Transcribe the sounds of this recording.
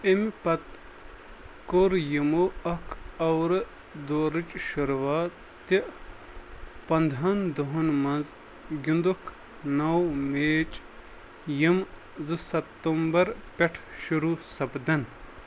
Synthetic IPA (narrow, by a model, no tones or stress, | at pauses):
impɐt̪ | koɾjimoɐkʰɐwɾɨ | d̪oːɾɨt͡ʃʃuɾʋaː | t̪i | pɐnd̪ʱɦɐnd̪oɦunmɐnz | ɡʲund̪ukʰ | nɐwmeːt͡ʃʼ | jim | zɨsɐt̪ːɐmbɐɾpʲɐʈʰʃuɾusɐpd̪ɐn